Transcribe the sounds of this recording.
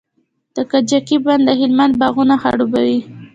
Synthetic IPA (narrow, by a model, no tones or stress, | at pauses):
d̪̥əkad͡ʒakiband̪əɦɪlmand̪̚bɑɣunaxa̰ɽubawi